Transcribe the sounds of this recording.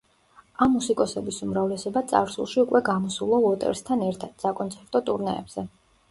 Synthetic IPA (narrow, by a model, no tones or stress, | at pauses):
amːusikʼɔsɛbisumɾavlɛsɔbat̪sʼa̰ɾsṵlˠʃiukʼwɛɡamɔsulˠɔɔt̪ʼɛ̰ɾst̪ʰanɛɾt̪ʰad̪̥sakʼɔnt̪sʰɛɾt̪ʼɔt̪ʼuɾnɛːb̥z̥ɛ